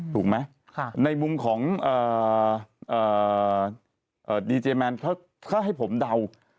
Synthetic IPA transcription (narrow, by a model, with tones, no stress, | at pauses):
t̪ʰuː˨˩k̚ma˦˥ | kʰna˧jmu˧mkʰɔː˩˦ŋʔɤː˨˩ | ʔɤː˨˩ | ʔɤː˨˩diː˧t͡ɕeː˧mɛ˧nkʰa˥˩ | t̪ʰaː˥˩ɦa˥˩jpʰo˩˦mda˧w